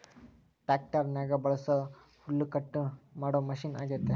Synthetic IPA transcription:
ʈak̚ʈəɾnaɡabɐɭsə | fulːukəʈːmaɽoməɕiːna̰ɡet̪ːe

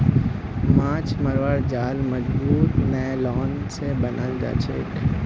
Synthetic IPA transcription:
mãːt͡ʃməɾʋəɾd͡ʒaːlmɐd͡ʒbuːt̪nəlɔːn | sebənʔəld͡ʒa̰ːt͡ʃʰek

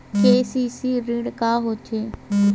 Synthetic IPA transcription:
keːsiːsiːɾɪɽkaːɦoːt͡ʃʰeː

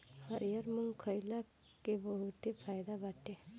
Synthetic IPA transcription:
həɾijəɾmuŋkʰəjla | kebəɦut̪epʰaːjd̪abaʈʰe

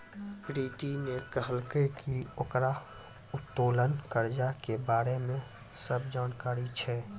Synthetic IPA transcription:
pɾiːʈinekəɦəlkekioːkɾa | ʊt̪ːoːlənkəɾd͡ʒakebaːɾemẽ | səbʱd͡ʒaːnkaːɾit͡ʃʰɛː

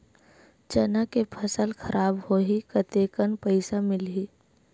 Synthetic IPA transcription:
t͡ʃənakepʰəsəlxʰɐɾʔaːbhoːɦikɐt̪eːkənpɐɪsamɪlɦiː

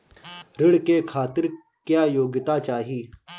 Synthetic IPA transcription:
ɾɪɽkeːkʰaːt̪ɪɾ | kjaːjoːɡɪt̪aːt͡ʃaːɦiː

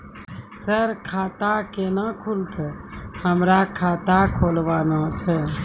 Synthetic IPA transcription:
səɾkʰat̪akenakʰult̪ʰəhəmɾakʰat̪akʰolʋanat͡ʃʰɛ

